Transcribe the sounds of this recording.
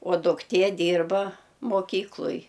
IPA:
oː dʊkˈtʲiɛ ˈdʲiːrbɐ moːˈkʲiːklˠoːj

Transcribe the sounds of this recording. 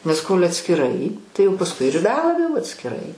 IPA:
nʲɛs koːlʲ ɐtʲsʲkʲɪˈrɐɪ tɐɪ jɛʊ pɐsˈkʊɪ ɪr bʲɛ ˈɑːbʲɛjoː jɛʊ ɐtʲsʲkʲɪˈrɐɪ

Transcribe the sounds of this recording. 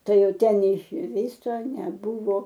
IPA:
ˈtɐɪ ˈjɛʊ ˈtʲɛn nʲɛɪʃʲˈʋʲiːsoː nʲɛˈbʊʋoː

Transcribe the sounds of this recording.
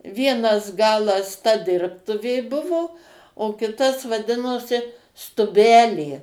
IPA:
ˈʋʲiɛnɐs ˈɡɑːlˠɐs tɐ ˈdʲɪrptʊʋʲeː ˈbʊʋoː oː ˈkʲɪtɐs ʋɐˈdʲɪnoːsʲɪ stʊˈbʲæːlʲeː

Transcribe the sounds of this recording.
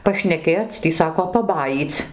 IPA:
pɐʃʲnʲɛˈkʲeːt͡s ˈtʲiː ˈsɑːkoː pɐˈbɑːjiːt͡s

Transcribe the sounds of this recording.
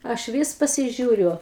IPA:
ˈɐʃ ˈʋʲiːs pɐsʲɪˈʒʲuːrʲʊ

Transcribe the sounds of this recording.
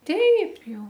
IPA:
ˈtʲɛɪp ˈjɛʊ

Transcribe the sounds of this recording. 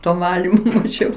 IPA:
ˈtoː ˈʋɑːlʲɪmoː mɐˈʒʲɛʊ

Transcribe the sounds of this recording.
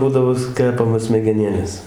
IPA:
ˈbuːdɐʋoː ˈkʲæːpɐmoːs sʲmʲɛɡʲɛˈnʲeːlʲeːs

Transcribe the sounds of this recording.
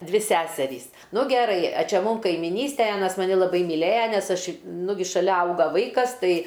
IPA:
ˈdʲʋʲɪ ˈsʲæːsʲɛrʲiːs ˈnʊ ɡʲɛˈrɐɪ ɐ ˈt͡ʃʲɛ ˈmuːm kɐɪmʲɪˈnʲiːsʲtʲɛj ˈɑːnɐs mɐˈnʲɪ lˠɐˈbɐɪ mʲiːˈlʲeːjɛ nʲɛs ˈɐʃ ˈnʊɡʲɪ ʃɐˈlʲɛ ˈɐʊɡɐ ˈʋɐɪkɐs ˈtɐɪ

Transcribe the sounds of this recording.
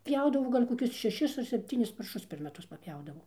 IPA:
ˈpʲjɛʊdɐʋoː ˈɡɐlʲ koːˈkʲʊs ʃʲɛˈʃʲɪs ɐr sʲɛpʲˈtʲiːnʲɪs pɐrˈʃʊs pʲɛr mʲɛˈtʊs pɐpʲˈjɛʊdɐʋoː

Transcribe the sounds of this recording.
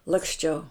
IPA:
lˠɐksʲˈt͡ʃʲɛʊ

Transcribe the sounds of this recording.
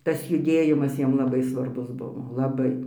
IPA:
ˈtɐs jʊˈdʲeːjɪmɐs ˈjiɛm lˠɐˈbɐɪ sʋɐrˈbʊs ˈbʊʋoː lˠɐˈbɐɪ

